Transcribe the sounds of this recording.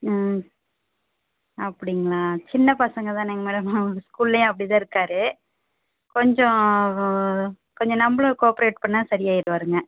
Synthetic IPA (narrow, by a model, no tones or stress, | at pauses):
ɐpːɐɽɪŋɡɐɭaːt͡ʃɪnːɐpɐsɐŋɡɐt̪ãːnɛːŋɡɐmɛːɽɐmɯskuːllɐjõːɐpːɐɽit̪ãːɪɾɯkːaːɾɯ | kɔɲd͡ʒɔ̃ | kɔɲd͡ʒɔ̃nɐmbɐɭõkoːpɪɾeːʈ̚pɐɳːasɐɾɪjaːɪɾɯʋaːɾɯŋɡɐ